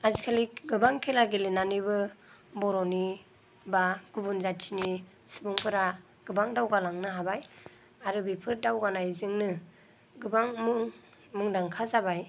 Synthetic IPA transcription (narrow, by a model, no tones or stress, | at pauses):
azikʰalikɡɯbaŋkʰelaɡelenanibɯbɔɾɔni | baɡ̥ubunzatsʰini | sibuŋkʰɯɾa | ɡ̥ɯbaŋdawɡalaŋnɯɦabaj | aɾɯbipʰɯɾdawɡanajzɯŋnɯ | ɡɯbaŋmuŋ | mɯŋdaŋkʰazabaj